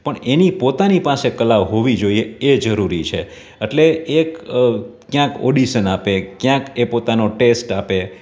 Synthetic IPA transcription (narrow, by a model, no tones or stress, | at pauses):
pəɳenipot̪anipasekəlaʋɦoʋid͡ʒoieed͡ʒəɾuɾit͡ʃʰe | eʈleʔek | kjãko̰ɖiʃənapekjãkepot̪anoʈesʈape